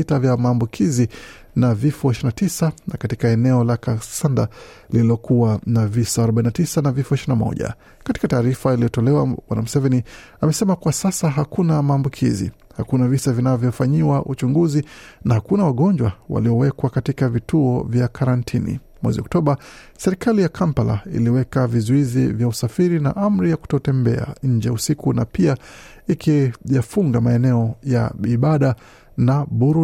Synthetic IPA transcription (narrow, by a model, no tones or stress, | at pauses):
itavjamaːmbukʰizi | navifɔiʃɾinatisanakatikaɛnɛɔlakasanda | lililɔkuwanavisaːɾɔɓainatisanavifɔiʃɾinamɔ̰ʄa̰ | katikataːɾifailijɔtɔlɛwawa̰namusɛvɛni | amɛsɛmakwasasaɦakunamaːmbukʰizḭ | hakunavisavinavjɔfaɲiwaʔut͡ʃuŋɡuzinahakunawaɠɔɲd͡ʒwawa̰liɔwɛkwakatikavitʰuɔvjakʰaɾantʰinḭ | mwɛ̰ziɔk̚tɔɓa | sɛɾikalijakʰampala̰ḭliwɛkavizuizivjausafiɾina̰ʔam̩ɾijaku̥tɔtɛmbɛ̰a̰ɲ̩d͡ʒɛusikunapia | ikʰijafuŋɡamaɛnɛɔja̰iɓaɗa | naɓuɾu